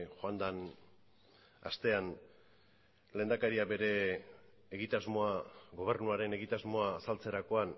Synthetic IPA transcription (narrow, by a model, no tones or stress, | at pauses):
xoand̪an | a̰st̪e̞an | le̞ːnd̪akaɾiabe̞ɾe̞ː | ɣit̪azmo̞aɣo̞β̞e̞rnuaɾe̞ne̞ɣit̪azmo̞aːsalt͡se̞ɾako̞an